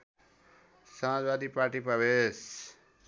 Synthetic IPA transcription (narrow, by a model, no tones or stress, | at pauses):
samãzbaːd̪iːpaːɾʈipəʋeːs